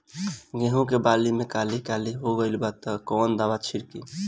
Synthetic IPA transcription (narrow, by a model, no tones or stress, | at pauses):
ɡẽɦũkebalimekalikaliɦoɡəɪlbat̪əkɔnd̪abat͡ʃʰiɾkḭ